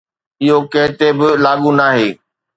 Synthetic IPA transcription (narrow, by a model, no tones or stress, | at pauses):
ɪɦokɐ̃ɦɪt̪ebɪlaːɠunaːɦeː